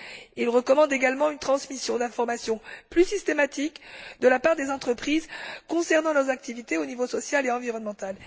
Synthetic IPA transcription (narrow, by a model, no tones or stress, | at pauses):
ilʁəkɔmɑ̃d̪eɡalmɑ̃ynt̪χɑ̃smisjɔ̃d̪ɛ̃fɔʁmasjɔ̃plysist̪emat̪ikd̪əlapaʁd̪ezɑ̃t̪χəpχizkɔ̃sɛʁnɑ̃nɔʁzak̚t̪ivit̪eonivosɔsjaleɑ̃viʁɔnmɑ̃t̪al